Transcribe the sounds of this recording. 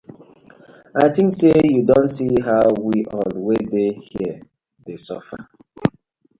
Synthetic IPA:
aɪtɪ̃ŋksejudõntsiɦaʊwiʔɔlwedehiə | desɔfa̰

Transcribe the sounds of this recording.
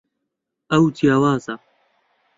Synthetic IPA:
ɐwtʰijaːwaːzɐ

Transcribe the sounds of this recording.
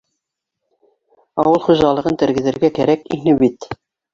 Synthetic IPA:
ɑwɤlˠχuʒɑlˠɤ̆ʁɤnt̪ɘ̆ɾɡɘ̆ðɘ̆ɾɡækæɾækḭnɘbit̪

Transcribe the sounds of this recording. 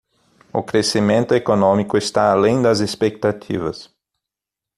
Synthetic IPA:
ʊkɾesimẽnt̪ʊekonõmikʊest̪aalẽj̃d̪ɐzespek̚t̪at̪ʰḭvɐs

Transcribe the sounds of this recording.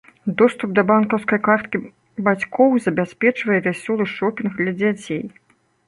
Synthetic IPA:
d̪ɔst̪up̚d̪ɐbankɐwskɐjkart̪kʲi | bat͡sʲkʰɔwzɐbʲasʲpʲɛt͡ʂvɐjɛvʲasʲɔlˠɨʂɔpʲinxd̪lʲɐd͡zʲat͡sʲej

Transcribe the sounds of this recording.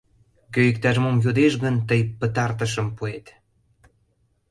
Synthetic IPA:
køik̚t̪ɑʒmomjud̪eʃɣənt̪əjpət̪ɑrt̪̬əʃ̬əmpuet̪

